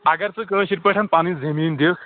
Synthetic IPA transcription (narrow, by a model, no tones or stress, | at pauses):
aɡaɾt͡səːk̬əɕiɾpəʈʰanpañiːd͡zʱemiːnd̪ek